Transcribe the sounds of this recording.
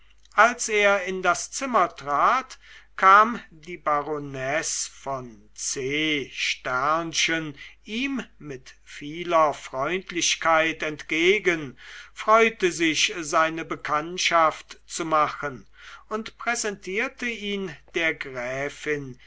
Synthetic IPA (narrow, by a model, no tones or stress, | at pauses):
ʔalseːɐɪndast͡sɪmɐtʁ̥aːtkʰaːmdiːbaʁonɛsfɔn | t͡seːʃtɛɐnʃənʔiːmmɪt | fiːlɐfʁ̥ɔʏntʰlɪɕkʰaɪtɛntɡ̥eːɡənfʁ̥ɔʏtəzɪçzaɪnəbəkʰantʃaftt͡sumaxən | ʊntpʁ̥ɛzɛntʰiːɐtʰəiːnd̥eːɐɡʁɛːfɪn